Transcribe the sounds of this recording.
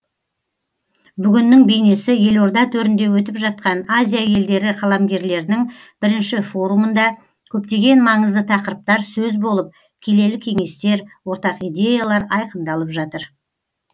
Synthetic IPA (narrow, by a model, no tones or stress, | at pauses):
bʏɡʲɪnːɪŋbe̞jne̞sɪje̞lo̞ɾd̪ɑt̪ʰɵɾɪnd̪e̞wɵt̪ɪpʒɑt̪̚qɑnazʲijaje̞ld̪e̞ɾɪqʰɑlˠɑmɡʲe̞ɾle̞ɾɪnɪŋ | b̥ɪɾɪnʃɪfo̞ɾumənd̪ɑ | kʲʰɵpt̪e̞ɡʲe̞nmɑɴəzd̪ət̪ʰɑqəɾəp̚t̪ɑɾsɵzbolˠəp̚ | kʲʰe̞le̞lɪkʲʰe̞ŋe̞st̪e̞ɾwo̞ɾt̪ɑqijd̪ʲe̞jalˠɑɾɑjqənd̪ɑlˠəpʒɑt̪əɾ